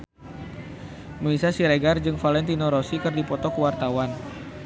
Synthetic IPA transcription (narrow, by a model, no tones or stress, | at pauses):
məlisasiɾeɡard͡ʒɨŋfalɛnt̪inoɾɔsikɨrdipɔt̪ɔkəwart̪awan